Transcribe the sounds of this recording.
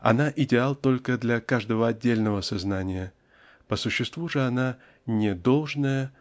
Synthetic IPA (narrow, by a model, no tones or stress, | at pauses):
ɐ̰naʔɪdʲɪalˠt̪o̞lʲkəd̪lʲɐkaʐd̪əvəɐdʲːelʲnəvəsɐznanʲɪjə | pəsʊɕːɪst̪vuʐɨana | nʲɪd̪o̞lˠʐnəjə